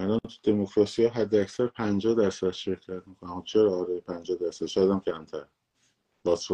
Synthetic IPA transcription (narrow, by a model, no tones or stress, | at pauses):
ælɒnt̪ʰud̪e̞mokʰɾɒːsijɒːɦæd̪ːeæcsæɾpʰænd͡ʒɒːhd̪æɾsæd̪̥ʃe̞ɾcʰæt̪mikʰonæmut͡ʃʰeɾɒːɾɒːjepʰænd͡ʒɒːhd̪æɾsæd̪̥ʃæd̪æmcʰæmt̪ʰæɾ | bɒso